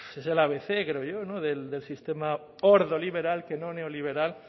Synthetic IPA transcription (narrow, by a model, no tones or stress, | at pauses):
eselaβeθe̞kɾeoʝono̞ðeld̪elsist̪e̞ma | oɾðoliβe̞ɾalke̞no̞neoliβ̞e̞ɾal